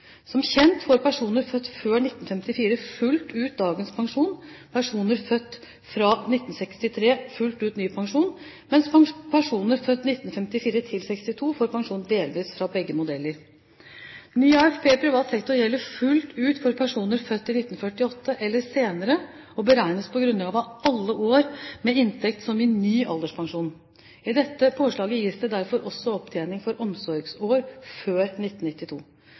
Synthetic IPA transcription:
sɔmçɛnt̪fɔɾpʰæʂuːnəɾfœt̪ːføːɳɪt̪ːnfɛmt̪ɪfiːɾəfʉlt̪ʉːt̪̚d̪ɑːɡənspʰɑŋʂuːnpʰæʂuːnəɾfœt̪ː | fɾɑnɪt̪ːn̩sɛkst̪ɪt̪ʰɾeːfʉlt̪ʉːt̪nyːpʰɑŋʂuːnmɛnspʰæʂuːnəɾfœt̪ːnɪt̪ːnfɛmt̪ɪfiːɾət̪ʰɪlsɛkst̪ɪt̪ʰuːfoːɾpɑŋʂuːnd̪eːlʋiːsfɾɑbɛɡːəmʊd̪ɛlːəɾ | nyːɑːɛfpʰeːpʰɾɪʋɑːt̪sɛkt̪ɔɾjɛlːəfʉlt̪ʉːt̪fɔɾpʰæʂuːnəɾfœt̪ːɪnɪt̪ːn̩fœʈːɪɔt̪ʰːəʔɛlːəɾseːnəɾə | ɔbəɾæɪnəspʰɔɡɾʉnlɑːɡɑːʋɑɑlːəʔoːɾmɛɪnt̪ʰɛk̚t̪sɔmɪnyːʔɑ̰ld̪əʂpʰɑŋʂuːn | ɪd̪ɛt̪ːəpʰoːʂɭɑːɡəjiːsd̪ɛd̪æɾfɔɾʔɔsːɔɔpt̪ʰeːnɪŋfɔɾʔɔmsɔɾɡsoːɾføːɾnɪt̪ːn̩nɪt̪ːɪt̪ʰṵː

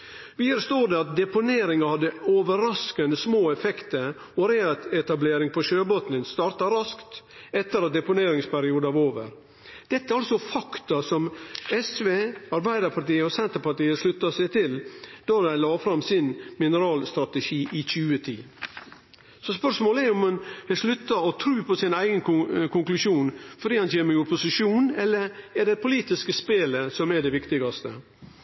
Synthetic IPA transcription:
ʋiəɾst̪oːɖ̪ɛɑt̪̚d̪ɛpʊneːɾɪŋɑhɑd̪ːəoːʋəɾɑskənəsmoːɛfɛkt̪əɾ | ɔɾeːɛt̪ɛt̪ɑbleːɾɪŋpʰɔʃøːbot̪nənst̪ɑːɾt̪ɑɾɑskt̪ɛt̪ːəɾɑt̪̚d̪ɛpʊneːɾɪŋspʰæɾɪuːd̪əɑʋoːʋə̰ɾ | d̪̥ɛt̪ːəæɾɑlsɔfɑkt̪ɑsɔmɛsʋeːɑɾbæɪd̪əɾpʰɑʈiːəɔsɛnt̪əɾpɑʈiːəʂlʉt̪ːɑsæɪt̪ʰɪld̪̥ɑɾæɪlɑːfɾɑmsɪnmɪnəɾɑːlst̪ɾɑt̪əʃiːʔɪçʉːət̪ʰiː | sɔspœʂmoːlɛɾʊmɑnhɛʂlʉt̪ːɑɔt̪ʰɾʉːpʰɔsɪnæɪɡənkʰʊŋklʉʂjuːnfɔɖiːhɑnt͡ʃʰeːməɾʊpʊsɪʂuːnɛlːəɾɛɖɛpʰʊliːt̪ɪskəspeːləsɔmɛɖɛʋɪkt̪ɪɡɑst̪ə

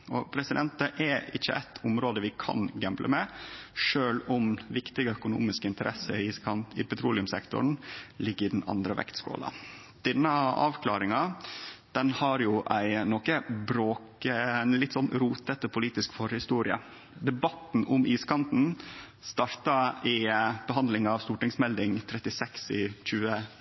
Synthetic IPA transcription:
ɔpʰɾɛsɪd̪ɛnt̪əʔɛɪçːə̰ʔæ̰ɪt̪ʰʊmɾoːd̪əʋɪkʰɑ̰nɡɛmblʔə̰mɛʂøːlʊmʋɪkt̪ɪɡəœkʊnṵːmɪskəɪnt̪əɾʔɛsəisʰɑnɪ̰pɛt̪ʰɾuːlɪʉmsɛkt̪ʊ̰ɳ̩lɪɡːəɾɪd̪n̩ɑ̰nd̪ɾəʋɛ̰kt̪sko̰ːlɑ̰ | d̪̥ɛnːəɑ̰ːʋkʰlɑːɾɪŋɑd̪̥ɛnhɑɾjʊʔæɪnɔkəbɾoːkəlɪt̪ːsɔnɾuːt̪ət̪ɔpʰʊliːt̪ɪskfɔɾhɪst̪uːɾɪə̰ | d̪ɛbɑt̪n̩ʔʊmʔiːskʰɑnt̪n̩ | st̪ɑɾt̪ɑɪb̥əɦɑnd̪lɪŋɑʋst̪uːʈɪŋsmɛld̪ɪŋt̪ʰɾɛt̪ɪsɛksɪc͡çʉːə

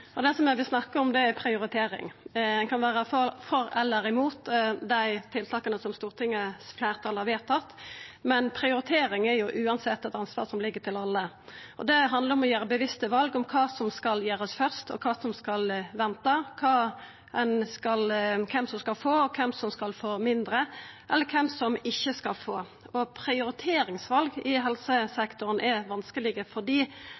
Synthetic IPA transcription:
ɔd̪ɛsɔmæʋɪsnɑkːəɾɔmd̪ɛæɾpʰɾɪʊɾɪt̪ʰeːɾɪ̰ŋɛnkʰɑnʋæːɾəfɔfɔɾɛlːəɾɪmuːt̪d̪æɪt̪ʰɪlt̪ʰɑːkənəsɔmst̪uːʁt̪ʰɪŋːəflæːʁt̪ʰɑlɑɾʋeːt̪ʰːɑt̪ːmɛnpʰɾɪʊɾɪt̪ʰeːɾɪŋɛɾjʊʔʉːɑnsɛt̪ːɛt̪ɑnsʋɑ̰ːʁsɔmlɪɡːət̪ʰɪlɑlːə | ʔɔ̰d̪ɛɦɑnd̪ləɾɔmɔjæːɾəbəʋɪst̪əʋɑlɡɔmkʰɑːsɔmskɑljæːɾəsfœʁst̪ɔ̰kʰɑːsɔmskɑlʋɛnt̪ɑkʰɑː | ɛnskɑlkʰɛmsɔmskɑlfoːɔkʰɛmsɔmskɑlfoːmɪnd̪ɾəʔɛlːəkʰɛmsɔmɪçːəskɑlfoː | ɔpʰɾɪʊɾɪt̪ʰeːɾɪŋsʋɑlɡɪɦɛlsəsɛkt̪ʊɾənʔɛʋɑnskəlɪɡəfɔd̪iː

